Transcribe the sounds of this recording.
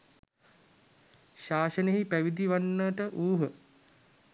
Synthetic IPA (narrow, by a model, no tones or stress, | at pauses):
ʃaːʃəneɦipæʋid̪iʋanːəʈəʔuːɦə